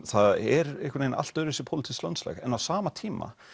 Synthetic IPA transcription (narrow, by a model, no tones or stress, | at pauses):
θaðɛɾehkʏɾejna̰l̥t̪œɾɪsɪ̥pʰowlɪt̪ʰi̥slœ̰nt̪slɛ̰ɣɛnawsaːmat̪ʰiːma̰